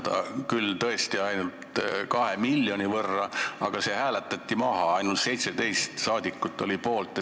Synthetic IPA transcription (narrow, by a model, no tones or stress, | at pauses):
t̪ɑ̰kylt̪ɤest̪iɑjnult̪kɑhemilːjo̞nʲivɤrːɑɑɡ̥ɑse̞ːhæːlet̪ːˑɑt̪ʲːimɑɦɑɑjnult̪se̞jt̪se̞d̪e̞jst̪sɑːd̪̥ʲikːˑut̪ːˑo̞lipo̞ːlt̪ːˑ